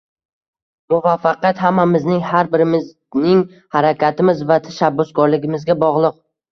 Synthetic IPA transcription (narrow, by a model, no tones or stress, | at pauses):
mʊvafːaqat̪hamːamɪznɪŋhaɾbɪɾɪmɪz | nɪŋ | haɾakʲat̪ʰɪmɪzvat̪ʰaʃabːʊskʰɒɾlɪɡʲɪmɪzɡʲabɒʁlˠɨq̚